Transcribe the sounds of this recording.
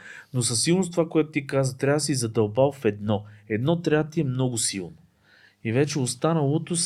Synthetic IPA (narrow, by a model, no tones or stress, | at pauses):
nosɐsːilˠnost̪ovakoɛt̪ʊt̪ikazvət̪ɾʲavsizɐd̪ɐlˠbalˠfɛd̪nɔɛd̪nɔt̪ɾʲat̪iɛmnɔɡʊsilˠno | ivɛt͡ʃɛost̪anɐlˠot̪os